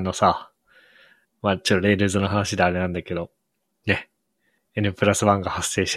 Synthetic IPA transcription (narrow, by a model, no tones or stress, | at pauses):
nːosa | maːt͡ɕooɾe̞ɾɯ̟ːzɨnoɦanaɕid̪eaɾe̞nãnd̪ake̞d̪o̞ | ne̞ | enɯ̟pɯɾasɨβãŋɡahasːe̞ːɕi̥